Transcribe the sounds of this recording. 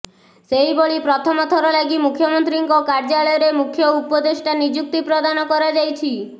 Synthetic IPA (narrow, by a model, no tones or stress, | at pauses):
seiboɭipɾɔt̪ʰɔmɔt̪ʰɔɾɔlaɡimukʰjɔmɔnt̪ɾiŋkɔkaɾd͡ʒalɔjɔɾemukʰjɔupɔd̪eʃʈanid͡ʒuk̚t̪ipɾɔd̪anɔkɔɾad͡ʒajt͡ʃʰi